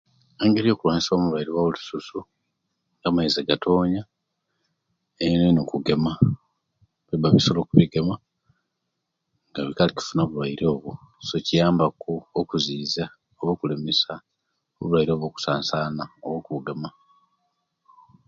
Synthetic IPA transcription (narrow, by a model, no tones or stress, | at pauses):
eŋɡeɾijo̞ːkuwaːɲiso̞ːmulwajiɾiwaβulususu | ŋɡaːmaizeɡatʰo̞ːɲa | einenokuɡe̞ma | βibaβiso̞lo̞kuβiɡema | ŋɡaβikalici̥funoːβulwaiɾo̞ːβu | so̞cijaːmbakuokuziːza | oβoːkule̞mesa | o̰βulwajiɾo̞ːβo̞ːku̥saːnsaːnaoβwoːkuβuɡe̞ma